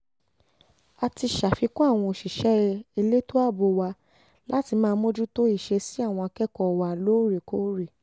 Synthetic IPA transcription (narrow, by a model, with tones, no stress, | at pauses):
a˧ti˧ʃa˨fi˨˧kɔ˦a˦˨w̃ɔ̃˧o˨ʃi˨ʃɛ˦i˧le˦to˦a˦˨bo˧wa˧ | la˦ti˧mãː˦˧˦mõ˦d͡ʒu˦to˦i˦˨ʃe˧si˦a˦˨w̃ɔ̃˧a˧kɛ˦kɔ˦˨wa˧loː˦ɾe˨ko˦ɾe˨